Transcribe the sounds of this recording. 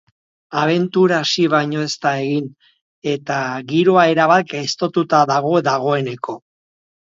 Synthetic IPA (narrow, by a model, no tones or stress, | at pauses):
aβ̞e̞nt̪uɾaːsiβ̞ajɲo̞e̞st̪ae̞ɣin | e̞t̪aɣiɾo̞ae̞ɾaβat̪̚ɡajst̪o̞t̪ut̪aðaɣo̞ðaɣ̞o̞e̞ne̞kʰo̞